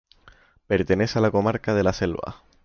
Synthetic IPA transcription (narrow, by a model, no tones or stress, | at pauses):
pe̞ɾt̪enesalako̞maɾkað̞e̞lase̞lβa̰